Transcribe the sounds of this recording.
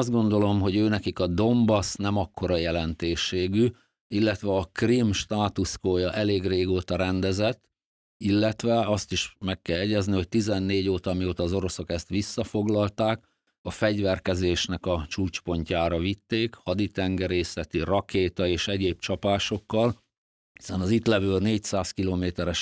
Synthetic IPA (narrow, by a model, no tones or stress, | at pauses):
ɒzd̪ɡo̞nd̪o̞lo̞mɦo̞ɟøːnɛkikɒd̪o̞mbɒsnɛmɒkːo̞ɾɒjɛlɛnt̪eːʃːeːɡy | ilːɛt̪ʋɛɒkrimʃt̪aːt̪uskoːjɒʔɛleːɡreːɡoːt̪ɒɾɛnd̪ɛzɛt̪ː | ilːɛt̪ʋɛɒst̪iʃmɛkːɛlɛɟɛzniho̞c̚t̪izɛnːeːɟoːt̪ɒmioːt̪ɒːzo̞ɾo̞so̞kɛst̪ʋisːɒfo̞ɡlɒlt̪aːk | ɒfɛɟʋɛrkɛzeːʃnɛkɒt͡ʃuːt͡ʃpo̞ɲcaːɾɒvit̪ːeːkhɒd̪it̪ɛŋɡɛɾeːsɛt̪irɒkeːt̪ɒeːʃɛɟeːb̚t͡ʃɒpaːʃo̞kːɒl | hi̥sɛnɒzit̪lɛvøːlneːcsaːskiloːmeːt̪ɛɾɛʃ